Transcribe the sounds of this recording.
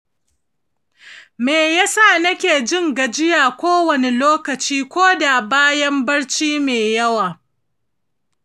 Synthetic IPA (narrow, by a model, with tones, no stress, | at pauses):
meː˨ja˦sa˦˨nɐ˦kʲeː˨d͡ʒɪ˦ŋɡa˨d͡ʒɪ˦jaː˨kʷoː˦wɐ˨ne˨loː˦kɐ˨t͡ʃiː˦kʷoː˦da˨baː˦jɐ˦mbɐ˦ɽt͡ʃiː˦meː˨jɐ˦waː˨